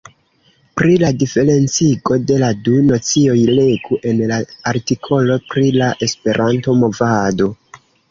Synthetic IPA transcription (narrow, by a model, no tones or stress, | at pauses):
pɾiladife̞ɾe̞nt͡siɡo̞de̞laduno̞t͡sio̞jleɡuʔe̞nlaaɾtikʰo̞lo̞pɾilaʔe̞spe̞ɾʔanto̞mo̞vado̞